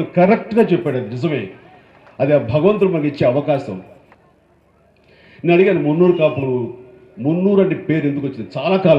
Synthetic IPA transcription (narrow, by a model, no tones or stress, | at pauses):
lukɐɾekʈɡaːt͡ʃɛpːɛːɽɐd̪inɪzɐme̞̰ː | ɐd̪ibʱɐɡɐʋɐnt̪uɾɐmɐnkit͡ʃːeːɐʋɐkaːsɐ̰m | inːɐɽiɡeːnimunːuːɾukaːpuɽu | munːuːɾɐɳɖipe̞ːɾe̞nd̪ukʋot͡ʃːind̪it͡ʃaːlaːkaːl